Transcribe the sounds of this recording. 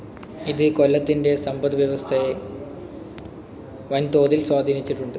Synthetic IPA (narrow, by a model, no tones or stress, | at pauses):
iðɨkolːɐt̪ːinde̞sɐmbɐðʋjɐʋɐst̪ʰɐje | ʋɐnt̪o̞ːðilswaːd̪ʱiːnit͡ɕːiʈːuɳɖɨ